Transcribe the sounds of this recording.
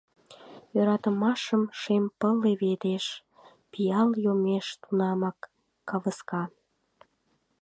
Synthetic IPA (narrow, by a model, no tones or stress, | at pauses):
jøɾɑt̪əmɑʃəmʃempəleβed̪eʃ | pijɑljomeʃt̪unɑmɑkː | ɑβəskɑ